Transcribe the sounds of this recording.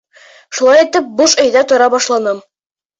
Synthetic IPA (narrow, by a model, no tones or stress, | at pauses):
ʃulˠɑjit̪ɘp̚boʃɵ̆jðæt̪ŏɾɑbɒʃlˠɑnɤm